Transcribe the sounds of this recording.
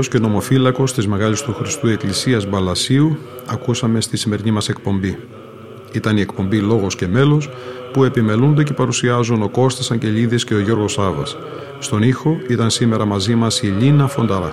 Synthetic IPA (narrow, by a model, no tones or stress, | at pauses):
osceno̞mo̞filɐko̞st̪izme̞ɣɐʎist̪uxɾist̪ue̞klisiɐzbɐlɐsiu | ɐkusɐme̞st̪isime̞ɾinimɐse̞k̚po̞mbi | it̪ɐnie̞kpo̞mbilo̞ɣo̞sce̞me̞lo̞spue̞pime̞lund̪e̞ce̞pɐɾusiɐzuno̞ko̞st̪esɐɲɟe̞ʎiðesce̞oʝo̞ɾɣo̞sɐvɐ̰sː | t̪o̞nixo̞it̪ɐnsime̞ɾɐmɐzimɐsiʎinɐfo̞nd̪ɐðɐ̰